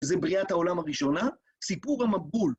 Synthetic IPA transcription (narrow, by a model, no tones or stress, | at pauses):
zebʁiat̪haolamhaʁiʃo̞na | sipuʁhamabul